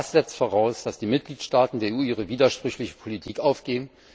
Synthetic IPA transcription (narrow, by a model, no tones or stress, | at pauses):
asz̥ɛt͡stfoːʁaʊsd̥asd̥iːmɪt̚ɡ̥liːtʃtaːtn̩deːɐeʔuːiːʁ̞əviːdɐʃpʁ̥ʏçlɪçə̥pʰolitʰiːkʔaʊfɡ̥eːm̩